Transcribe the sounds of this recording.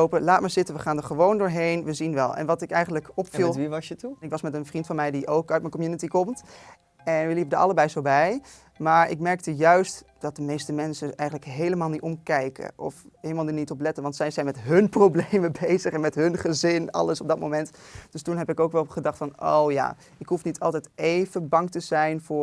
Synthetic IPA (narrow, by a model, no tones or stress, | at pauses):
owpəlaːtmaːɹzɪtənʋəχaːndəɹχəʋowndʊːɹɦejnʋəzinʋɛlˠɛ̰nʋɑtɪkɛjχənləkɔpfilˠʋiʋɑsjətuɪkʋɑsmɛtənfrintfɑnmɛjdiʔowkœɥt̚mənkɔmjunitikɔmt | ɛnʋəlipədəɹɑ̰ləbɛjzowbɛj | maːɹɪ̰kmɛɹk̚təjœɥst | d̥ɑt̚dəmejstəmɛnsəɛjχənləkɦejləmaːlˠnitɔmkɛjkə̰ʔɔ̰fɦeləmalˠninitɔplɛtənʋɑntsɛjzɛjnmɛtɦɵnprowblejməbejzəχɛnmɛtɦɵnχəzɪnɑ̰ləsɔb̚dɑt̚mowmɛntd̥ɵstunɦɛpɪkowkʋɛlˠχədɑχtfɑno̰wja̰ː | ɪkɦufnitʰɑlˠtɛjtejvəbɑŋtəzɛjnvʊː